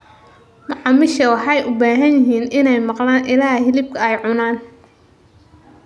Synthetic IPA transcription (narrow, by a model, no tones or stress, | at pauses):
mʊʕɑmɪʃɐwɑħɑjʔʊbaːɦɐnjɪɦiːnɪnɛjmɑqlaːnʔɪlaːɦɪlɪb̚kʰɐɛjʕʊnaːn